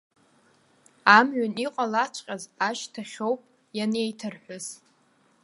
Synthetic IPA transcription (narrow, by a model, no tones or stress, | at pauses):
amɥaniqʼalat͡ʃʷʰʼqʲʼazaʃtʰaχʲo̞wpʼ | janejtʰɨrħʷᶣaz